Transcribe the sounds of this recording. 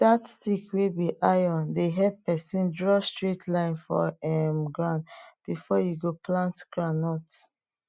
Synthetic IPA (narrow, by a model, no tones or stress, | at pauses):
d̥atstikwebiʔajɔ̃ndeɦɛppɛsĩndɹɔstɹitʰlãɪ̃nfɔ̰ɛmɡɹãndb̥ifɔjuɡoplãntɡ̥ɹanɔt